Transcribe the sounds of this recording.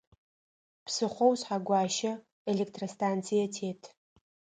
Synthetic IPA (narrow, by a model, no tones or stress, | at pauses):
pʰsɨχʷowɕħaɡʷaːʃɐ | elek̚tʰrostʰant͡sʰijɐtʰeːtʰ